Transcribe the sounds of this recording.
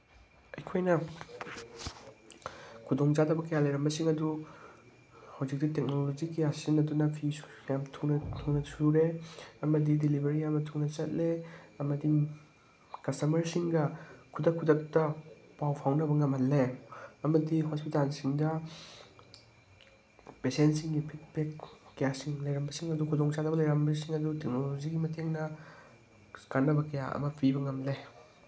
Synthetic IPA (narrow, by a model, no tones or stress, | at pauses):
ɐjkʰojnɐ | kʰudoŋd͡ʒadɐbɐkɐjalɐjɾɐmbɐsiŋɐdu | hawzik̚ditek̚nolod͡ʒikijasinːɐdunɐpʰijamtʰuntʰuŋnɐsʰuɾeɐmɐdidilibeɾijamɐtʰuŋnɐt͡ʃɐt̚leɐmɐdi | kɐstɐmɐɾsiŋɡɐkʰudɐkʰːudɐk̚tɐ | pawpʰawnɐbɐŋɐmhɐlːeɐmɐdihospitalsiŋdɐ | pesentsiŋɡipʰitpekːɐjasiŋlɐjɾɐmbɐsiŋɐdukʰudɔŋt͡ʃanɐbɐlɐjɾɐmbɐs̬iŋɐdutek̚nolod͡ʒiɡimɐteŋnɐ | kanːɐbɐkɐja̰ɐ̰mɐpʰibɐŋɐmle